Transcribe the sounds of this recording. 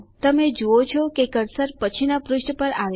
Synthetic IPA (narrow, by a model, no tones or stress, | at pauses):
t̪əmed͡ʒuot͡ʃʰɔkekəɾsəɾpət͡ʃʰinapɾʊʃʈʰpəɾaʋ